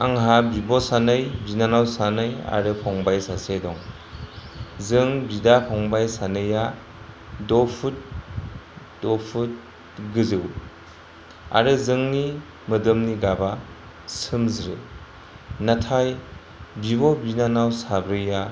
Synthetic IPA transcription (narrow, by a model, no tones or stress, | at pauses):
aŋɦabibɔsanɯjbinanawsanɯja̰ɾɯpʰɔŋbajsasedɔŋ | zɯŋbidapʰɔŋbajsanɯja | dɔpʰut̚ | d̥ɔpʰut̚ | ɡɯzɯw | a̰ɾɯzɯŋni | mɯdɯmniɡaba | sɯmzɾɯ | natʰaj | bibɔbinanawsabɾɯja